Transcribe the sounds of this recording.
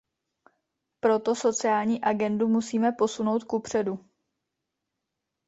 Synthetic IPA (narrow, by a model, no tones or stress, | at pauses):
pɾo̞t̪o̞so̞t͡sɪaːlɲiːʔaɡɛndumusiːmɛpo̞sunowt̪kupr̝̥ɛdu